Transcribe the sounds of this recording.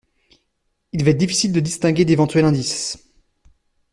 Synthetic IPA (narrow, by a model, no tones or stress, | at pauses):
ilvaɛt̪̚d̪ifi̥sild̪əd̪ist̪ɛ̃ɡʲed̪evɑ̃t̪ɥɛlɛ̃d̪is